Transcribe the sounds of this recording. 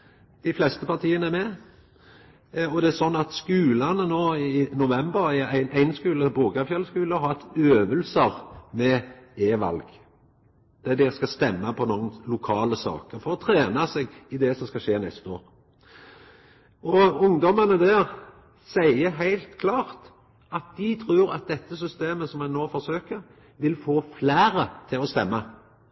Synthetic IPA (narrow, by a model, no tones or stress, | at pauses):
d̪̥ɪflɛst̪əpʰɑt̪ʰiːənəæɾmɛ | ɔd̪ɛæɾsɔnːɑt̪skʉːlɑnənoːɪnʊʋɛmbəɾææɪnæɪnskʉːləbuːɡɑfjœlːəskʉːləɔhɑt̪øːʋəlsəɾmɛeːʋɑ̰lɡ | d̪̥ɛd̪ɛskɑst̪ɛmːɑpʰɔnoːnlʊkʰɑːləsɑ̰ːkəɾfɔɾɔt̪ʰɾeːnɑsɛɡɪd̪ɛsɔmskɑʃeːnɛst̪əo̰ːɾ | ɔʊŋd̪ɔmənəd̪æːʁ | sæɪəɦæɪlt̪kʰlɑːʁt̪ | ɑt̪̚d̪ɪt̪ʰɾʉːɾɑ̰t̪̚d̪ɛt̪ːəs̬ʏst̪eːməsɔmɛnoːfɔɾsøːkəɾ | ʋɪlfoːflæːɾət̪ʰɪlɔst̪ɛmːɑ